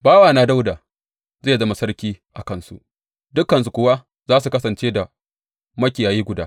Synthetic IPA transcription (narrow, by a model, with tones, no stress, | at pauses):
baː˦waː˨naː˦da˦wdaː˨ | zeː˦˨zɐ˦ma˨sɐ˦rkʲiː˦ʔa˨kɐ˦nsṵ˦ʔ | dʊ˦kːɐ˨ns̬u˨kʷʊ˦wa˦ | zaː˦s̬u˨kɐ˦sɐ˨nt͡ʃeː˦da˨ | mɐ˦kʲɪ˨jaː˨jiː˦ɡʷʊ˨daː˦